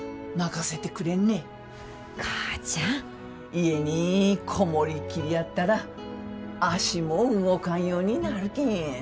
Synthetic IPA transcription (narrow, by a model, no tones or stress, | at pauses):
naɡase̞t̪e̞kɯ̟ɾe̞nːe | kʰḁt͡ɕa | ie̞ɲikʰo̞mo̞ɾʲikʲiɾʲijat̪ːaɾa | aɕimo̞ɯɡokãɰ̃jo̞ːɲ̟inaɾɯ̟kʲĩ